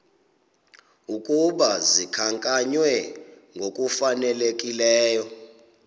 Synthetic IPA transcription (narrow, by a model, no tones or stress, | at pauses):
ukʼuɓazikʰaŋkʼaɲwɛŋɡʱok̬ʼufanɛlek̬ʼilɛːjɔ